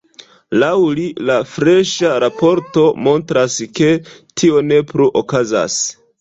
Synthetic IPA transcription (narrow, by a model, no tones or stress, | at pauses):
lawlilafɾe̞ʃaɾapo̞ɾto̞mo̞ntɾaske̞tʰio̞ne̞pɾuʔokaza̰s